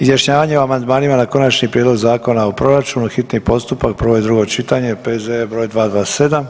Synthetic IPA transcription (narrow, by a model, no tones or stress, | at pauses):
izjaʃɲaːʋaɲe̞oamand̪maːnimanako̞nat͡ʃɲipɾʲjed̪lo̞ɡzaːko̞naopɾo̞ɾat͡ʃuːnuxit̪nipo̞st̪upak̚pɾ̩ʋo̞id̪ɾuɡo̞t͡ʃit̪aɲe̞pezebɾo̞ːjd̪ʋaːd̪ʋaːse̞d̪am